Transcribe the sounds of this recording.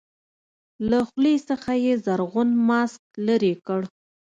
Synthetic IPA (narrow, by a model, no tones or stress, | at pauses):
laxlesəxajezaɾɣʊnmɑsk̚ləɾekəɽ